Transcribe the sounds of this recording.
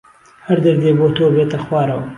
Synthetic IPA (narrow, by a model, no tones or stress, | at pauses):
hɐɾd̪ɐɾd̪eːbot̪ʰobet̪ɐxwɑːɾɐw